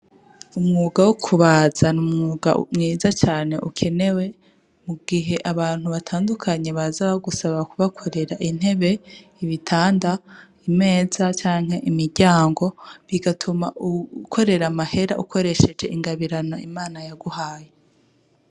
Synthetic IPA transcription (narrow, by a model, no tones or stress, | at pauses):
umŋuːɡawokʰuβaːz̥anumŋuːɡa̰ṵmŋiːzat͡ʃaːne̞ʔukʰe̞ne̞we̞ | muɡ̥iɦe̞ʔaβaːn̥huβatʰaːndukʰaɲe̞βazaβaɡusaβakuβakʰo̞ɾe̞ɾaʔin̥he̞βe̞ | iβitʰaːnda | ime̞ːz̥at͡ʃaːŋ̥he̞ʔimiɾɟaːŋɡo̞βiɡatʰumaukʰo̞ɾe̞ɾamahe̞ɾaʔukʰo̞ɾe̞ʃe̞d͡ʒe̞ʔiŋɡaβiɾano̞imaːnajaɡuhaːje